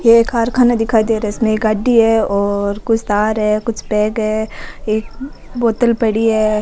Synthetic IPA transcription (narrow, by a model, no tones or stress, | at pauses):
jeeːkaːɾkʰaːnad̪ɪkʰaːid̪eɾɛɪsmẽeːkɐɖːiɦɛɔːɾkʊt͡ʃʰt̪aːɾɦɛːkʊt͡ʃʰpɛ̃ːɡɦɛːeːk̚ | boːt̪əlpɐɽiɦɛː